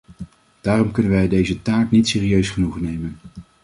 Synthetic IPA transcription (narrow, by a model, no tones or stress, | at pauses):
d̥aːrɔmkɵnənʋɛjdejzətaːknitseːriøɥsχənuχnejmən